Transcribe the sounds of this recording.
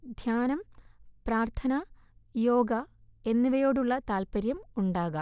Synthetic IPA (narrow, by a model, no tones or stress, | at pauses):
d̪ʱjaːnɐmpraːrt̪ʰɐnɐ | jo̞ːɡɐe̞nːiʋɐjo̞ːɽuɭːɐt̪aːlpɐɾjɐmuɳɖaːɣɐ